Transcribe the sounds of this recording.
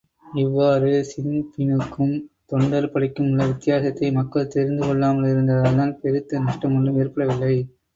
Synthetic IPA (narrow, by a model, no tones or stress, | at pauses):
ɪʋːaːɾɯsɪmpɪnɯkːɯmt̪ɔɳɖɐɾpɐɽɪkːɯmʊɭːɐʋɪt̪ːɪjaːsɐt̪ːɐɪmɐkːɐɭt̪ɛɾɪnd̪ɯkɔɭːaːmɐɭɪɾɯnd̪ɐðaːnaːlpɛɾɯt̪ːɐnɐʂʈːɐmɐɳɖɯmeːrpɐɽɐʋɪlːɐɪ